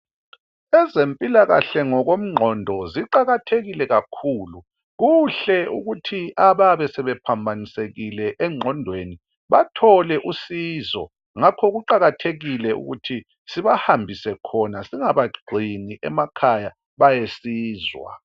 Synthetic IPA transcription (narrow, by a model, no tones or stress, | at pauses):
ɛzempʼilaɣa̰ɬɛŋɔɣom̩ŋ͡ǃʱɔndʱɔziǃaɣatʰeɣilɛɣakʰuːlu | ɣuɬɛuɣutʰiʔaβaβɛsɛβɛpʰambʱaniseɣilɛʔɛŋ͡ǃʱɔndʱweni | βatʰɔlɛʔusiːzɔ̰ | ŋakʰɔɣuǃaɣatʰeɣilɛṵɣṵtʰi | siβahambʱisɛkʰɔnasiŋaβaɡ͡ǀʱiniʔɛ̰makʰaja | βajesiːzwa̰